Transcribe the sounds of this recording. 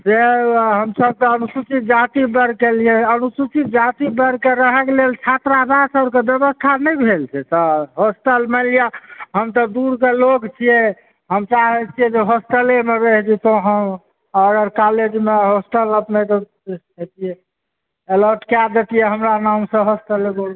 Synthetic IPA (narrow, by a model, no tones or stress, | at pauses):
seɦəmsəb̚t̪ɔːnusut͡ʃit̪̚d͡ʒat̪ibəɾkeliɛənusut͡ʃit̪̚d͡ʒat̪ibəɾkeɾəɦɛkelelt͡ʃʰat̪ɾab̪asəbɾkebebəst̪ʰanəjbʱelt͡ʃʰɛt̪ɔɦosʈəlməlijaɦəmt̪ɔd̪uɾkelokt͡ʃʰijɛ | ɦəmt͡ʃaɦɛt͡ʃʰijɛd͡ʒeɦosʈ̪əlemeɾəɦd͡ʒit̪ɔɦəm | əɡəɾkaled͡ʒmeɦosʈələpnet̪ɔ | ɦet̪ijɛ | eləɾʈkad̪et̪ijɛɦəmɾanamsə̃ɦosʈ̪əlebol